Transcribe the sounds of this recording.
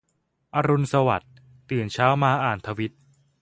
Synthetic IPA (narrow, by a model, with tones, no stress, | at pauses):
ʔa˧ɾu˧nsa˧wa˨˩t̪ː | ɯː˨˩nt͡ɕʰaː˦˥wmaː˧ʔaː˨˩nt̪ʰa˧wi˦˥t̪̚